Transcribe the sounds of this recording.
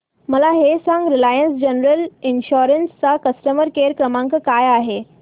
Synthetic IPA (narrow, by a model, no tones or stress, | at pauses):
məlaɦesãŋɡɾilajənsd͡ʑənəɾəlinɕoɾənst͡sakəsʈəməɾkeɾkɾəmãŋkkajaɦe